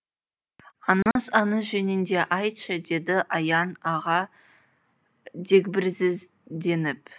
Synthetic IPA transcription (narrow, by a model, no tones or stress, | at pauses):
ɑnɑsɑnəsʒenɪnd̪e̞ʔɑjtʃəd̪e̞d̪ɪʔɑjɑnɑʁɑ | d̪ek̬ʲbɪɾsɪz | d̪e̞nɪp̚